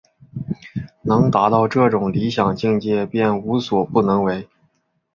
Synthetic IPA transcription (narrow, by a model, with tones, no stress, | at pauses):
nɤ˧˥ŋt̪a˧˥t̪ɑ˥˧ʊʈ͡ʂɤ˥˩ʈ͡ʂʊ˨˩ŋli˧˥ɕjɑ˨˩ŋt͡ɕi˥˧ŋt͡ɕjɛ˥˧pjɛ˥˩nu˧˥swɔ˨˩pu˥˩nɤ˧˥ŋwe˧˥ɪ